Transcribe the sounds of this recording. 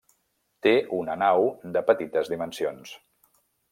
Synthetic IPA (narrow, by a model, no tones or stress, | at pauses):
t̪eunənawd̪əpət̪it̪əzðimənsions